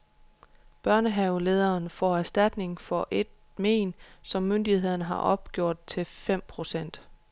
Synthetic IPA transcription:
b̥ɶɐnəɦɛʊle̝ːð̞ˠɐːnfɒ̰ːæɐsd̥æd̥ne̝ŋfɒ̽ʔe̝d̥̚ | mḛːnsɒ̽mːønd̥ihe̝ð̰ˠnəɦɑ̈ʔɒ̽b̥̚ɡ̥jo̝ɐ̰d̥̚t͡sʰe̝fem̰pʰʁo̝sen̰d̥

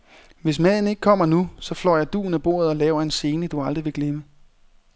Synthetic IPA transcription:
ʋe̝s̬mæðˠn̩e̝ɡ̥əkʰɒ̽m̰ɐnusɒ̽flɒ̰ːjɑ̈ɪd̥ṵːn̩æb̥o̝̰ːɐ̰ð̞̩ˠɒ̽lɛːʊɐe̝nse̝ːnəd̥uɑ̈ld̥ʁiʋe̝ɡ̥lemə

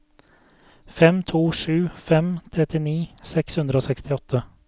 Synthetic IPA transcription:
fɛmt̪ʰuːʂʉːfɛmt̪ʰɾɛt̪ɪniːsɛkshʉnd̪ɾəoːsɛkst̪ɪɔt̪ʰːə

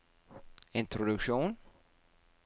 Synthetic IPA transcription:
ɪnt̪ʰɾʊd̪ɵkʃuːn

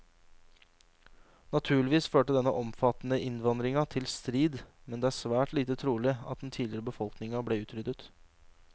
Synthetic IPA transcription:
nɑt̪ʰʉːɭɪʋiːsføːʈəd̪ɛnːə̰ʔɔmfɑt̪nəʔɪnʋɑnd̪ɾɪŋɑt̪ʰɪlst̪ɾiːd̪mɛnd̪ɛːæːsʋæːʈliːt̪ət̪ʰɾuːlɪɑ̰t̪̚d̪n̩t̪ʰiːlɪɾəbəfɔlknɪŋɑbleːʉːt̪ɾʏd̪ət̪

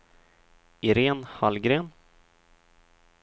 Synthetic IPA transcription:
ɪɾeːnhalɡɾeːn

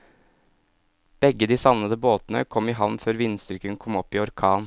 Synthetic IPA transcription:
b̥ɛɡːəd̪iːsɑʋnəd̪əboːt̪n̩ə̰kʰɔmɪɦɑʋnføːɾʋɪnst̪ʏkəŋkʰɔmɔpːiːɔɾkʰɑːn

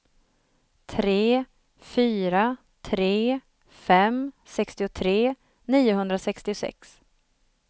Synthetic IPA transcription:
t̪ʰɾeː | fyːɾa | t̪ʰɾeː | fɛmsɛkst̪ɪʊt̪ʰɾeː | niːʊɦɵnd̪ɾasɛkst̪ɪʊsɛ̰ks

